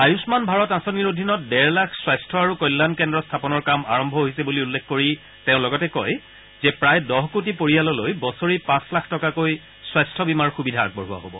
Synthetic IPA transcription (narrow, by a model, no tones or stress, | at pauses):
ajusmanbʱaɹɔtãsoniɹodʱinɔt̚dɛɹlakʰswajstʰɔaɹukɔjlːankɛndɹɔstʰapɔnɔɹkama̰ɹɔmbʱɔɦoɦisɛbuliulːekʰkoɹi | teʊ̃lɔɡɔtɛkɔj | zɛpɹajdɔɦkut̬ipoɹijalɔlojbɔsoɹipãslakʰtɔkakoj | swajstʰɔbimaɹxubidʱaa̰k̚bɔɹua̰ɦo̰bɔ̰